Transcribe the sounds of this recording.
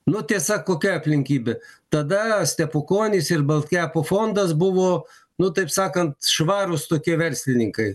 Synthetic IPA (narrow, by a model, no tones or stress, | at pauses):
nʊt̪ʲiɛsɐkːoːkʲɛɐpʲlʲɪŋʲkʲiːbʲɛt̪ɐd̪ɐsʲt̪ʲɛpʊkoːnʲɪsɪrbɐlˠʲt̪ʲkʲæːpoːfoːnd̪ɐs̬bʊʋoː | nʊt̪ɐɪpsɑːkɐnt̪ʃʋɑːɾʊst̪oːkʲiɛʋʲɛɾʲsʲlʲɪnʲɪŋkɐɪ